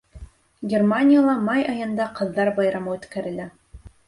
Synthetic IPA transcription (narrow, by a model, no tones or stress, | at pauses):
ɡʲermanʲijalˠɑmɑjɑjɤ̆nd̪ɑqɤ̆ðːɑɾbɑjɾɑmɤʉt̪kæɾɘ̆læ